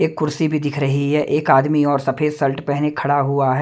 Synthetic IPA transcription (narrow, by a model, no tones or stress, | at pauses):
eːkːʊɾsibʱid̪ɪkʰɾɐɦiɦɛːʔeːkaːd̪miɔːɾsɐpʰeːsɐlʈpɛɦnekʰɐɽaɦuaɦɛː